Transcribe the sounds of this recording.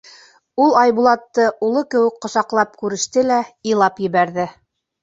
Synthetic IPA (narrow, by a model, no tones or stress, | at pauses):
ulˠɑjbulˠɑt̪ːɤʔulˠɤkɘ̆wɘ̆kqŏsɑqlˠɑp̚kʉɾɘ̆ʃt̪ɘlæilˠɑpjɘ̆βæɾðɘ